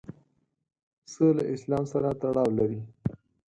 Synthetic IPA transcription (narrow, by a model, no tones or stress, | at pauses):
səlaʔɪslɑmsaɾat̪aɽɑwlaɾi